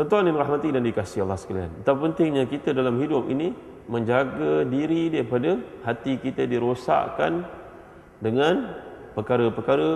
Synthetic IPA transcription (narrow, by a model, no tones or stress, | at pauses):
t̪ɔnt̪uaninraɦmat̪idandikasɪɦalːahsə̥kalia̰nat̪apənt̪ɪŋɲakit̪ədalamɦidʊp̚ḭni | mə̃ɲd͡ʒaɡadiɾidaɾipadahat̪ikit̪ədiɾosa̰ʔkan | dəŋãnpəkaɾəpəkaɾə